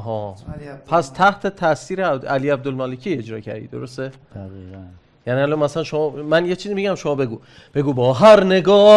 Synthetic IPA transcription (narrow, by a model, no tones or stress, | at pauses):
ɦɒːpʰæst̪ʰæht̪ʰe̞t̪ʰæsiːɾeæliːæb̚d̪olmɒːlecʰiːe̞d͡ʒɾɒ̰ːcʰæ̰ɾd̪ḭːd̪o̰ɾo̞st̪e̥ | æiæ | jæniːælɒmæsælænʃomɒːmænjet͡ʃʰiːzibeɟæmʃomɒːbe̞ɡuː | b̥e̞ɡuːbɒːɦæɾneɡɒː